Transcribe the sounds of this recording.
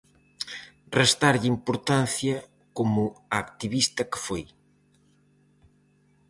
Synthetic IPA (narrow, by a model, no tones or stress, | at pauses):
rest̪aɾʎimpoɾt̪an̟θjɐ | komʊaːkt̪iβist̪ɐkefoj